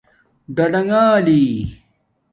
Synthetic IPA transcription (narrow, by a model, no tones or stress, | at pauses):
ɖɐɖɐŋaːliː